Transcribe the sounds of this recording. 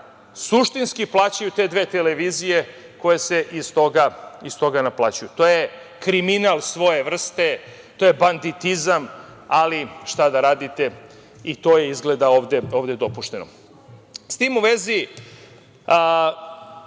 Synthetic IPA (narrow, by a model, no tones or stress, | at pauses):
suʃt̪inskiplˠaːt͡ɕajut̪e̞d̪ʋe̞t̪eleʋizije | ko̞jese̞ʔist̪o̞ɡaist̪o̞ɡanaplˠaːt͡ɕujut̪o̞je | kɾiminalˠsʋo̞je̞ʋr̩st̪e̞ | t̪oːje̞band̪it̪izam | aliʃt̪ad̪aɾaːd̪it̪e̞ | it̪o̞ːje̞izɡled̪ao̞ːʋd̪eo̞ːʋd̪e̞d̪o̞puʃt̪e̞no̰ | st̪iːmuʋe̞zi